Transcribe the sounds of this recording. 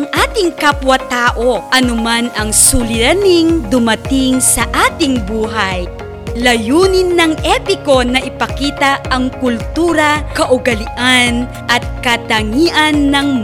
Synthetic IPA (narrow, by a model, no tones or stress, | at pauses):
ɐŋʔaːt̪ɪŋkapwɐt̪aːʔo̞ʔɐnʊmanɐŋsʊlɪɾɐnɪŋd̪ʊmɐt̪ɪŋsɐʔaːt̪ɪŋbuːɦɐj | lɐjuːnɪnːɐŋʔɛpɪko̞nɐʔɪpɐkiːt̪ɐʔɐŋkʊlt̪uːɾɐkɐʔʊɡɐlɪʔan | ʔɐt̪̚kɐt̪ɐŋiːʔɐnːɐŋ